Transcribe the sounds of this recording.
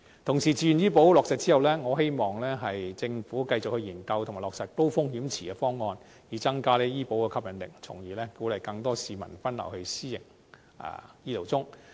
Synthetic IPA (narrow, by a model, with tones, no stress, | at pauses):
t̪ʰʊ˨˩ŋsiː˨˩t͡siː˧jnjiː˥po˨˥wlɔː˨ksɐ˨t̚t͡siː˥hɐ˨wlɛː˥ŋɔː˨˧ɦe˥jmɔː˨ŋlɛː˥ɦɐ˨jt͡sɪ˧ŋfuː˨˥kɐ˧jt͡sʊ˨k̚hɵ˧ɥjiː˨˩nkɐ˧wt̪ʰŋma˨˩lɔː˨k̚sɐ˨t̚t̪o˥wfʊ˥ŋhiː˨˥mt͡sʰiː˨˩ɛ˧fɔː˥ŋːɔː˧n | jiː˨˩t͡sɐ˥ŋkaː˥lɛː˥jiː˥po˨˥wkɛː˧kʰɐ˥pjɐ˨˩nlɪ̰˨˩kt͡sʰʊ˨˩ŋjiː˨˩lɛː˥kuː˨˥lɐ˨jkɐ˧ŋt̪ɔː˥siː˨mɐ̰˨˩nfɐ˥nlɐ̰˨˩whɵ˧ɥsiː˥jɪ̰˨˩ŋ | ɐ̰ː˨˩jiː˥lo˨˩wt͡sʊ˥ŋ